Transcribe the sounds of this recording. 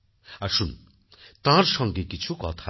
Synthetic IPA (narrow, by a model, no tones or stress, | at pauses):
aʃun | t̪ãɾsɔ̃ŋɡekit͡sʰukɔt̪ʰa